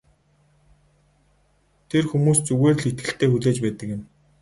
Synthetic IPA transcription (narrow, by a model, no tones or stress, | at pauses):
t̪ʰerxumuːst͡suɣeːr̆ɮit̪̚ɡɘ̆ɬt̪eːxuɮeːt͡ɕpæːt̪ə̆kjɪ̆m